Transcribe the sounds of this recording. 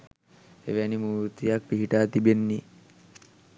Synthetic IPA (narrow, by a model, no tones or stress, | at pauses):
ḛʋænimuːɾt̪ijak̚piɦiʈaːt̪ibenːi